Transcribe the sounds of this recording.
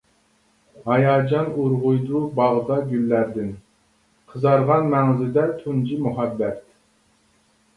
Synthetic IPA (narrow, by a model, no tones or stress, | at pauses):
hɑjɑːd͡ʒɑnuɾʁujd̪ubɑʁd̪ɑɡʲylːæɾd̪ɪn | qʰəzɑɾʁɑnmɛŋzɪd̪ɛt̪ʰund͡ʒimuɦɑbːɛt̪